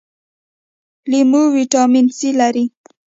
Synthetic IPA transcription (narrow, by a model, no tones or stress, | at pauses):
limuwiʈɑminsilaɾi